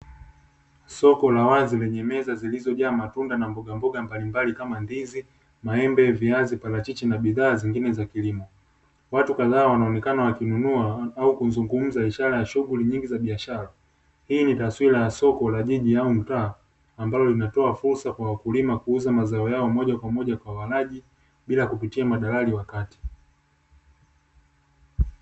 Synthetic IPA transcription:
sɔkɔlawazilɛɲɛmɛzazilizɔʄaːmatundanambɔɡambɔɡambalimbalikamandizi | maɛmbɛviazipalat͡ʃit͡ʃinaɓiðaːziŋɡinɛzakilimɔ | watukaðaːwanaɔnɛkanawakinunuaaukunzuŋɡum̩zaiʃaɾajaʃuɡuliɲiŋɡizaɓiaʃaɾa | hiːnitaswilajasɔkɔlaʄiʄiaum̩taː | mbalɔlinatɔafuɾsakwawakulimakuuzamazaɔjaɔmɔʄakwamɔʄakwawalaʄi | ɓilakupitiamaɗalaliwakati̥

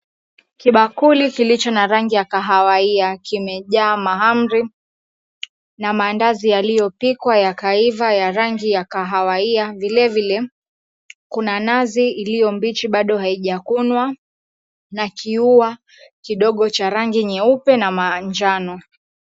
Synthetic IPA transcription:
kiɓakulikilit͡ʃɔnaɾaŋɡijakaɦawaiakimɛʄaːmaɦam̩ɾi | namaːndazijalijɔpikwajakaivajaɾaŋɡijakaɦawaiavilɛvilɛ | kunanaziːlijɔmbit͡ʃiɓaɗɔɦaiʄakunwa | nakʰiua | kiɗɔɠɔt͡ʃaɾaŋɡiɲɛupɛnamad͡ʒanɔ

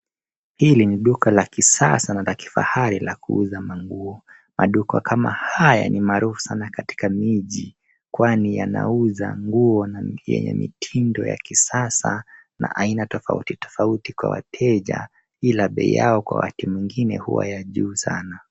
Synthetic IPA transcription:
hiliniɗukalakisasanalaki̥fa̰haɾilakuuzamaŋɡuɔ | mʔaɗukakʰamahaja̰nimaːɾufu̥sanakati̥kamiʄi | kwanijana̰uzaŋɡuɔnajɛ̰ɲɛ̰mḭtʰindɔja̰kisasana̰ʔainatɔfaṵtitɔ̥fautikwawa̰tʰɛʄa | ilaɓɛijaɔkwawa̰timwiŋɡinɛhuwa̰jaʄuːsa̰na

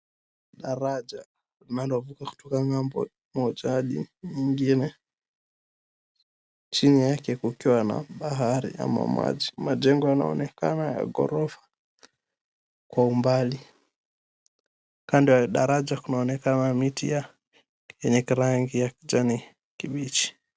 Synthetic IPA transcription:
ɗaɾad͡ʒa | linandɔvukaku̥tɔkaŋambɔ̰ | mɔd͡ʒaɗḭɲiŋɡinɛ | t͡ʃinijakɛkukiwana̰ɓaɦaɾḭa̰ma̰mwa̰d͡ʒimad͡ʒɛŋɡɔjana̰ɔ̰nɛka̰naja̰ɡɔ̰ɾɔfḁ | kwaumbali | kandiwaɗaɾad͡ʒakunaɔnɛkanamitḭja | jɛɲɛkiɾaŋɡijakid͡ʒani | kiɓit͡ʃi̥

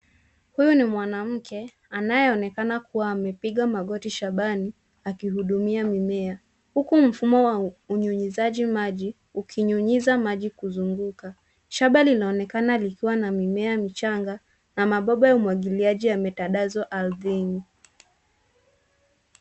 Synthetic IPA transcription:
hujunimwanam̩kɛ | anajɛɔnɛkanakuwaːmɛpiɠamaɠɔtiʃaɓani | akihuɗumiamimɛa | hukum̩fumɔwauɲuɲizaʄimaʄi | ukʰiɲuɲizamaʄikuzuŋɡuka | ʃaɓalinaɔnɛkanalikiwanamimɛamit͡ʃaŋɡa | namaɓɔɓajaumwaɠiliaʄijamitaɗazɔʔalðiŋi

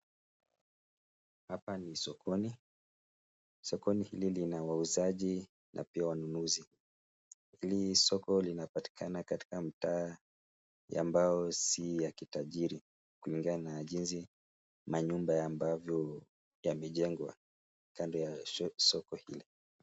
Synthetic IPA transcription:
hapanisɔkʰɔni | sɔkɔnihililinawauzaʄi | nʔa̰piawanunuzi | hilisɔkɔlinapati̥kʰanakati̥kamitaː | ja̰mbaɔsijakitaʄiɾi | kuliŋɡananaʄinzi | maɲumbajambavjɔ | jamɛʄɛŋɡwa̰ | kandɔjasɔkɔhḭli

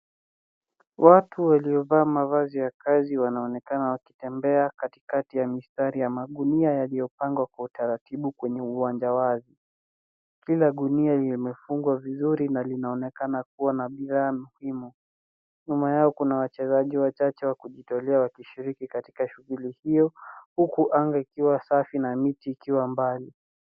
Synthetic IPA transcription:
wʔatuwaliɔvaːmavazijakaziwanaɔnɛkanawakitɛmbɛakati̥katijamistaɾijamaɗuniajalijɔpaŋɡwakwautaɾatiɓukwɛɲɛuwaɲd͡ʒawazi | kilaɗunialimɛfuŋɡwavizuɾinalinaɔnɛkanak̚uwanaɓiðaːmuhimu | ɲumajaɔkunawat͡ʃɛzaʄiwat͡ʃat͡ʃɛwakuʄitɔlɛawakiʃiɾikikati̥kaʃuɣulihijɔhukuʔaŋɡaikiwasafinamitiːkiwambali

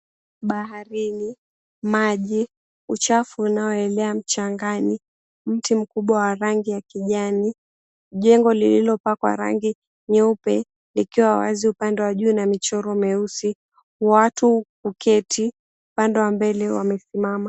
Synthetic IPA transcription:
ɓaɦaɾini | maʄi | ut͡ʃafuːnaɔɛlɛam̩t͡ʃaŋɡani | m̩tim̩kuɓwawaɾaŋɡijakiʄani | ʄɛŋɡɔlililɔpakwa̰ɾa̰ŋɡi | ɲɛupɛ | likiwawa̰ziupandɛwaʄuːnamit͡ʃɔɾɔmɛusi | watukukʰɛtʰi | upandɛwambɛlɛwamɛsimama

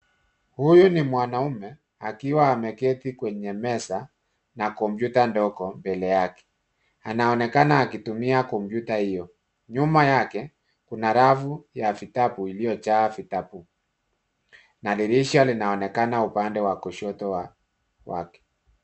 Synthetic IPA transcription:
hujunimwanaumɛ | akiwaːmɛkɛtikwɛɲɛmɛsa | nakɔmbjutandɔkɔmbɛlɛjakɛ̥ | anaɔnɛkanaːkitumiakɔmbjutahijɔ | ɲumajakɛ | kunaɾavujafitapuilijɔt͡ʃaːfitapu | naliɾiʃalinaɔnɛkanaupandɛwakɔʃɔtɔwa | wa̰kɛ̥

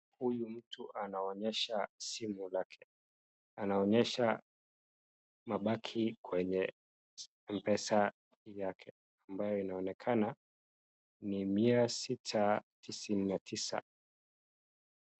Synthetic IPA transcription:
hujum̩tʰuʔanaɔɲɛʃasimulakʰɛ̥ | anaɔɲɛʃa | maɓakʰikwɛɲɛ | m̩pɛsa | jakʰɛ | ambajɔinaɔnɛkʰana | nimiasitʰatʰisininatʰisa̰

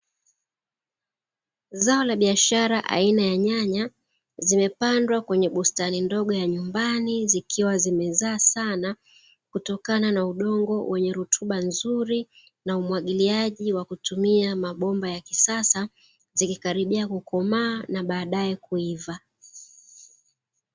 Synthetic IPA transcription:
zaɔlaɓiaʃaɾaʔa̰inajaɲaɲa | zimɛpandwakwɛɲɛɓustanindɔɠɔjaɲumbanizikʰiwazimɛzaːsana | kutɔkananauɗɔŋɡɔwʔɛɲɛɾutʰuɓanzuɾi | naumwaɠiliaʄiwakutumiamaɓɔmbajakisasa | zikikaɾiɓiakukɔmaːnaɓaːɗaɛkuiva

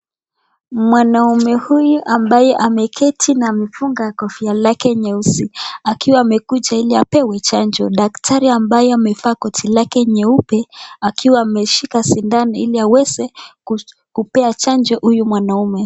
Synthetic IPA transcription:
mwanaumɛhujuʔambajɛʔamɛkʰɛtʰinaːmɛfuŋɡakɔfialakɛɲɛusiakiwaːmɛkud͡ʒailiapɛwɛt͡ʃand͡ʒɔɗaktʰaɾiambajɛamɛfaːkɔtʰilakɛɲɛupɛakiwaːmɛʃikasindaniiliawɛzɛ | kupɛat͡ʃand͡ʒɔhujumwanaumɛ

